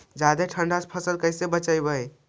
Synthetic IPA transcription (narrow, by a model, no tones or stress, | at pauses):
d͡ʒad̪eʈʰəɳɖaspʰəsəlkəɪsebət͡ʃajbəj